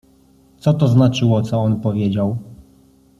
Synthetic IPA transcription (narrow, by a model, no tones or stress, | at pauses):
t̪sɔt̪ɔznat͡ʂɘwɔt̪sɔɔnpɔvʲjed͡ʑaw